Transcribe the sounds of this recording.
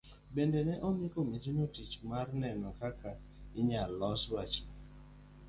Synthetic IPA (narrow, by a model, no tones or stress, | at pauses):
bendenɛʔɔmɪkomid͡ʒinotit͡ʃmarnɛnɔkakʰa | ɪɲalɔswat͡ʃ